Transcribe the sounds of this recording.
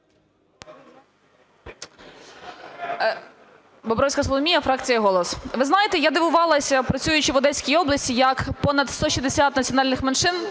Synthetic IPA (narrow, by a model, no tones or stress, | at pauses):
bɔbɾɔsʲkɐsɔlˠɔmʲijɐfɾɑkt͡sʲijɐɦɔlˠɔsʋɪznɑjet̪ɛjad̪eʋʊʋɑlˠɐsʲɐpɾɐt͡sʲujʊt͡ʃɪʋɔd̪ɛsʲkʲijiɔblˠɐsʲt͡sʲijɐkpɔnɐd̪st̪ɔʃizd̪esʲat̪nɐt͡sʲiɔnɑlʲnɪxmenʃɪn